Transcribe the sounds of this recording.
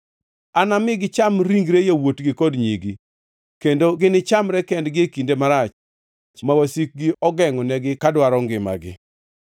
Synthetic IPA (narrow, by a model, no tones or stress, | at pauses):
anamɪɡɪt͡ʃamɾiŋɡɾejawotɡɪkɔdɲiɡi | kendoɡɪnɪt͡ʃamɾɛkɛndɡɪekindemaɾat͡ʃ | mawasik̚ɡɪɔɡɛŋɔnɛɡɪkadwaɾɔŋɡɪma̰ɡɪ̰